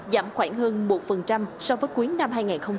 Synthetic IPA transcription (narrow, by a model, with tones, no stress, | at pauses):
za̰ː˧˩mxwaː˧˩ŋhəː˧nmo˨˩t̚fə˨˩nt͡ɕa˧msɔ˧vəː˨˦jku˨˦jna˧mhaː˧jŋaː˨˩nxə˧wŋ͡m